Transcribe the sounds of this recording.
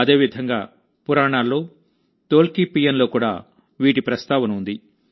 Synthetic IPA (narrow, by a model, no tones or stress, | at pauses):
ɐd̪e̞ːʋid̪ʱɐŋɡaː | puɾaːɳaːlːo̞ː | t̪oːlkipijɐnlo̞ːkuːɽaː | ʋiːʈipɾɐst̪aːʋɐnund̪i